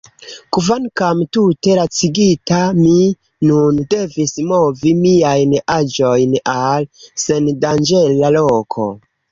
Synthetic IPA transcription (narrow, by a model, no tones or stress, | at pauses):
kuvankamtute̞ɾat͡siɡitami | nunde̞vismovimiajnad͡ʒo̞jnalse̞ndand͡ʒelalokʰo̞̰